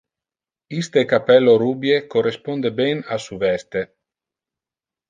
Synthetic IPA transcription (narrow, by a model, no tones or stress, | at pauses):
ist̪ekapɛlːoɾubjekorespond̪ebɛnasuvɛst̪e